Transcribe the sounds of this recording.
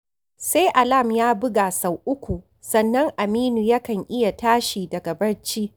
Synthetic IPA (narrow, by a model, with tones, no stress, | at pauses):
se˦jʔa˨la˦˨mjaː˦bʊ˦ɡaː˨sa˨wʔʊ˦kʷu˨ | sɐ˦nːɐ˦ŋʔa˨miː˦nu˨jɐ˦kɐ˨ŋʔɪ˦ja˨taː˦ʃiː˨dɐ˨ɡɐ˨bɐ˦ɽt͡ʃiː˦ʔ